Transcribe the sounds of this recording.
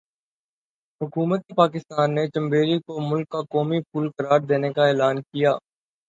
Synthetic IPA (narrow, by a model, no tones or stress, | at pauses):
ɦʊkuːmət̪ipaːkɪst̪aːnːet͡ʃɐ̃mbeːɾikomʊlkːakɔːmipʰuːlkɐɾaːɾd̪eːnekaɛːlaːnkijaː